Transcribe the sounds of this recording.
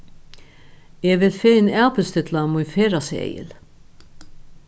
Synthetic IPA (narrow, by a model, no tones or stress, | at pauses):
ɛvɪlfeːɪnæːpɪlst̪ɪt̪lamujnfeːɾasɛ̰jɪ̰l